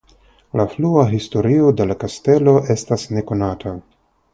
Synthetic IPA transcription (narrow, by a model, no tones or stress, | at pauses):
lafluaɦisto̞ɾio̞de̞lakaste̞lo̞ʔe̞stasne̞ko̞natʰa